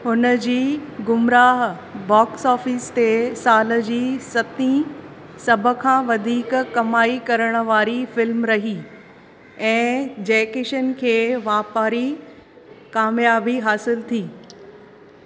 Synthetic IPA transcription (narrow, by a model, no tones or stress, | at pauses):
ɦʊnəd͡ʑiːɡʊmɾaːɦ | bɔːksɔːfɪst̪esaːlə̆d͡ʑiːsɐt̪ĩ | sɐbʱə̆kʰãːʋɐd̪ʱiːkkɐmaːikɐɾəɽ̃ə̆ʋaːɾifɪlmɾɐɦi | ɛ̃ːd͡ʑɛːkɪʃənkʰeːʋaːpaːɾi | kaːmjaːbiɦaːsɪlt̪ʰiː